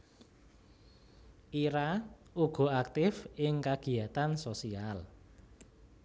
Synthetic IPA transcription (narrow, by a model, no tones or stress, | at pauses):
ʔiɾauɡ̥ɔ̤ak̚t̪ɪfɪŋkaɡ̥i̤jat̪ansosial